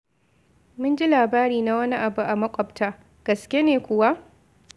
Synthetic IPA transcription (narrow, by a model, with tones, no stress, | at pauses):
mʊ˦nd͡ʒi˦laː˨baː˦ɾiː˨na˦wɐ˦ni˦ʔa˨bu˦ʔa˨mɐ˦kʷʼɔ˨btʰaː˦ | ɡ̥ɐ˨skʲe˦neː˨kʷʊ˦wa˦ʔ